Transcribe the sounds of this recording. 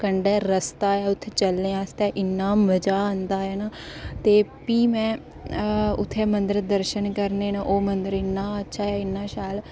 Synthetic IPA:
kəɳɖɛːɾəst̪aːɦɛːʊt̪ʰːeːt͡ʃəlneːaːst̪ɛːʔɪnːaːməd͡ʒaːə̃nd̪aːɦɛːnaː | t̪eːpiːmɛ̃ː | ʊt̪ʰːeːmənd̪əɾd̪əɾʃənkəɾneːnaʔoːmənd̪əɾɪnːaːətːʃʰaːɛːɪnːaːʃaːl

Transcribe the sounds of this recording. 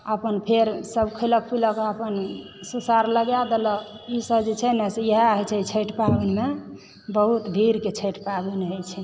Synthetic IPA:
əpənpʰeɾsəbkʰələk̚pʰiləkəpən | susaɾləɡjad̪elə | isəd͡ʒt͡ʃʰɛnesejeɦaɦɛt͡ʃʰɛit͡ʃʰəʈpabenme | bəɦut̪d̪ʱiɾket͡ʃʰəʈʰpabenɦət͡ʃʰɛ

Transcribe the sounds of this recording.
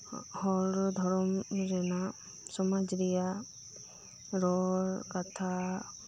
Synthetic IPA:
hɔlɔd̪ʱɔɾɔmɾɛna | sɔmad͡ʒɾija | ɾɔɾkat̪ʰa

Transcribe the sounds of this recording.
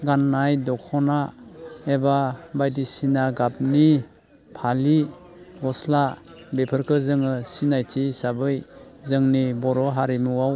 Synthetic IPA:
ɡanːajdɔkʰɔnaebabajdisinaɡap̚ni | pʰali | ɡɔsla | bepʰɯɾkʰɯzɯŋɯsinajtʰisabɯjzɯŋnibɔɾɔɦaɾimuwaw

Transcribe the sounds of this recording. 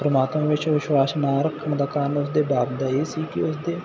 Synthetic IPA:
pɾəmaːt̪mãːʋɪt͡ʃʋɪʃwaːsnaːɾəkʰːəɳ̃d̪aːkanʊsd̪eːbaːbd̪aːeːsiːkɪʊsd̪eː

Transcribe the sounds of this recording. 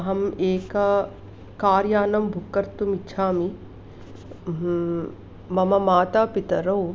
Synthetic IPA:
ɦɐmeːkɐ | kaːɾjaːnɐmbʱukːɐɾt̪umitːʃʰaːmi | mɐmɐmaːt̪aːpit̪ɐɾɐw

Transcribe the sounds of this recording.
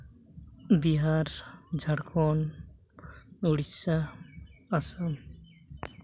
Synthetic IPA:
biɦaɾd͡ʑʱaɽkʰɔn | oɽisːa | asam

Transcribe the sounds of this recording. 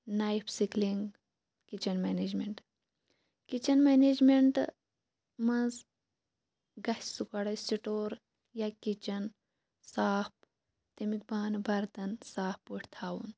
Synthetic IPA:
najipʰsikliŋɡ | kit͡ʃɐnmeːneːd͡ʒmeɳʈ | kit͡ʃɐnmeːneːd͡ʒmeɳʈ | mɐnz | ɡɐssukɐɽɐsiʈoːɾ | jakit͡ʃɐn | saːp | t̪ɐmik̚baːnbɐɾt̪ɐnsaːppuʈʰt̪ʰaːwun

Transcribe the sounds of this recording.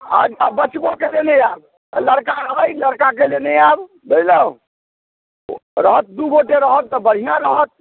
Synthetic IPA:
a̰abət͡ʃbokeleneab | ləɽkaɾəɦəjləɾkakeleneab | bed͡ʒlə | ɾəɦət̪̚d̪uɡoʈeɾəɦət̪ːɔbəɽ̤ijãɾəɦət̪̚

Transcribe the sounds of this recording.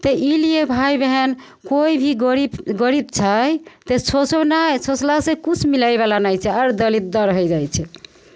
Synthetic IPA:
t̪əʔilijebʱajbeɦen | koibʱiɡəɾibɡəɾib̚t͡ʃʰajt̪esosənajsoslasẽkut͡ʃʰmilajbalanajt͡ʃʰɛaɾd̪əlit̪̚d̪əɾəɦɛd͡ʒajt͡ʃʰɛ

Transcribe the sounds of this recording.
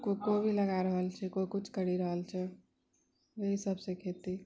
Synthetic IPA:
kokobʱiləɡaɾəɦəlt͡ʃʰɛkokut͡ʃʰkəɽiɾəɦəlt͡ʃʰɛ | jeɦisəbsẽkʰet̪i

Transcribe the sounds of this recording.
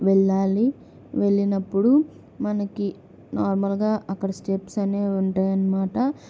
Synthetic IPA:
ʋɛɭːaːli | ʋeɭːinɐpːuɽu | mɐnɐki | naːɾmɐlɡaːʔɐkːɐɽɐsʈepsɐneːuɳʈaːjɐnːɐmaːʈɐ

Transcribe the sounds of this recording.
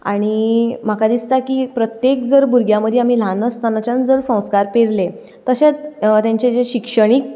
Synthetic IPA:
a̰ɽ̃im̤akad̪ist̪akiːpɾət̪jek̚d͡zəɾbuɾɡjãməd̪ʱeam̤ilanəst̪anat͡ɕãnd͡zəɾsə̃w̃skaɾpeɾle | t̪əɕet͡st̪jãɲt͡ɕed͡zeɕikʂəɽ̃ik̚

